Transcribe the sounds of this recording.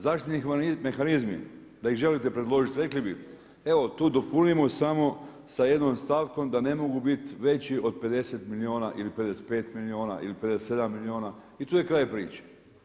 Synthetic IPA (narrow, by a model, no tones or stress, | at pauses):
zaʃt̪it̪ime̞xanizmḭ | d̪aiɣʒe̞lit̪e̞pɾed̪lˠo̞ːʒit̪ɾe̞klibi | e̞ʋo̞t̪uːd̪o̞punimosamo̞ | saje̞d̪nomst̪aːʋko̞md̪ane̞mo̞ɡubit̪ʋe̞t͡ɕiʔo̞d̪̚pe̞d̪e̞set̪milioːnaʔilipe̞d̪eset̪̚pe̞ːt̪milioːna̰ʔḭlipe̞d̪eset̪se̞d̪amːilioːna | it̪uːje̞kɾaːjpɾiːt͡ʃe̥